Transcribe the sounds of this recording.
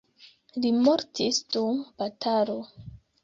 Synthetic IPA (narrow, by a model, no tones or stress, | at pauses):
limoɾtʰisduŋbatʰaɾo